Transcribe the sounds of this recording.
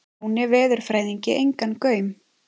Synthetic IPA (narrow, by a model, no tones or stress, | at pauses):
unɪvɛːðʏɾ̥fɾaːjðiɲcɪʔejŋkankœːɥm